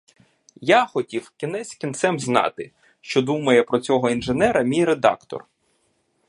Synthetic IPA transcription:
jaxɔtʲiwkʲinɛsʲkʲint̪sɛmznɑ̰t̪ɪ | ʃt͡ʃɔd̪umɐjɛpɾɔt͡sʲɔɦɔinʒenɛɾɐmʲijɾed̪ɑ̰kt̪ɔ̰r

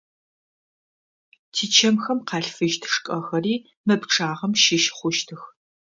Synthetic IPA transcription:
tʰiːt͡ʃʰɐmxɐmqɑːɬfɨʒtʰɨ̥ʂkʼɐxɐriː | mɐpʈ͡ʂʰʼaːʁɐmʃɪʃχʷʊʃtʰɨx

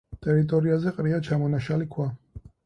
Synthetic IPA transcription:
t̪ʼɛɾit̪ʼɔɾiazɛqʼɾiat͡ʃʰamɔnaʃalikʰwa

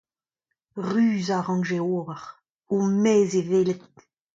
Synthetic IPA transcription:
ʁyːzaʁɑ̃nʒeoːvaʁ | omɛːzeveːlet̪̚

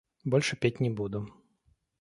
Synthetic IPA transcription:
bɔlʲʂɨpʲetʲnʲɪbud̪ʊ

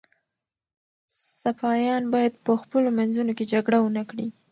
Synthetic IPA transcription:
safɑjɑnbɑjad̪̚pəxpəlomanzunoked͡ʒaɡɽawənakɽi

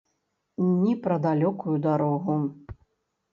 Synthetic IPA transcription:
nʲipɾɐd̪alʲɔkujud̪aɾɔɣu

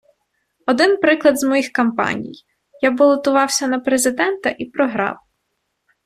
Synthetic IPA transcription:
ɔd̪ɪnpɾɪklˠɐd̪zmɔjixkɐmpɑ̰nʲḭj | jabɔlˠɔt̪ʊʋɑwsʲɐnɐpɾezɪd̪ɛnt̪ɐʔipɾɔɦɾɑ̰w

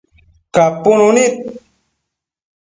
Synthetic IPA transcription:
kaponunit̚

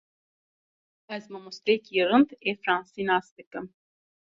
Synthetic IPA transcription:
ɐzmɐmust̪ɾekiːɾɨnd̪efɾãːnsinaːst̪ekəm

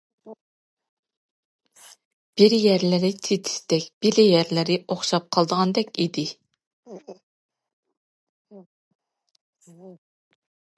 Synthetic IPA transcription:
b̥iɾjæɾlɪɾɪt̪ʰet̪ʰɪ̥st̪ɛkʲb̥ilɪjæɾlɪɾɪoχʃɑp̚qʰɑlˠd̪əʁɑnd̪ɛkʲid̪ɪ

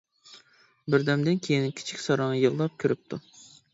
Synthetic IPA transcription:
bɪɾd̪ɛmd̪ɪnkʲʰejinkʲʰi̥t͡ʃʰi̥kʲsɑɾɑŋɑjɨlˠːɑp̚kʲʰøɾyp̚t̪ʰu

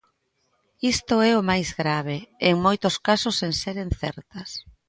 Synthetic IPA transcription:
ist̪ʊɛʊmajzɣɾaβ̞eeŋmojt̪oskasosenseɾenθɛ̰ɾt̪ɐs

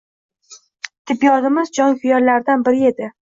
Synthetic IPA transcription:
t̪ʰɪpjɒʁɪmɪzd͡ʒɒŋkʰʊjɒɾlaɾd̪anbɪɾɪe̞d̪ɪ

